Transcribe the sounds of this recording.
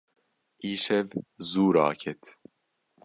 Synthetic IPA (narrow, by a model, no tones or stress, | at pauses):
ʔiːʃɛvzuːɾɑ̰ːkʰɛt̪ʰ